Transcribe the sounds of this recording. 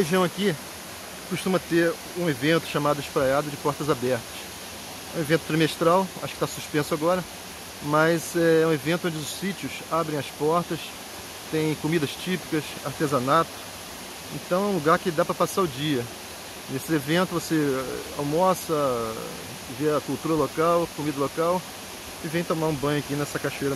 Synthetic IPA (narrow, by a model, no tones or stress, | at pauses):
heʒĩw̃aki | koʃt̪ũmɐt̪eɾ | ũevẽnt̪ʊ̥ʃamad̪ʊɪspɾajad̪ʊd͡ʒɪpɔɾt̪ɐzabɛɾt̪ɐ̥s | ɛ̰ũevẽnt̪ʊ̥t̪ɾimeʃt̪ɾawa̰ʃʊkɪ̥t̪asuʃpẽsʊaɡɔɾɐ | mɐzɛɛũevẽnt̪ʊõd͡ʒɪʊssit͡ʃiʊsabɾẽj̃ɐspɔɾt̪ɐs | t̪ẽj̃komid̪ɐʃt͡ʃipi̥kɐs | aɾt̪ezɐnat̪ʊ̥ | ẽt̪ɐ̃w̃ɛũluɡaɾkɪd̪apɾɐpasaʊd͡ʒiɐ | nesɪevẽnt̪ʊvoseawmɔsɐ | veɐkuwt̪uɾɐlokawkomid̪ɐlokaw | ɪvẽj̃t̪õmaɾũbɐ̃ɲ̃ʊakinɛsɐkaʃuejɾɐ